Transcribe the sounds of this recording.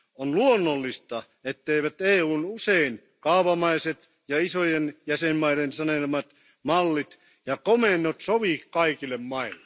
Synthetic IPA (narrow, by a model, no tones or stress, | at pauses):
onluonːolːist̪ɑ | et̪ːeiʋæt̪eːuːnusein | kɑuʋɑmɑiset̪ | jɑisojenjæsemmɑiɾensɑnelmɑt̪ | mɑlːit̪ | jɑkomenːˑot̪soʋikkɑikilːˑemmɑilːe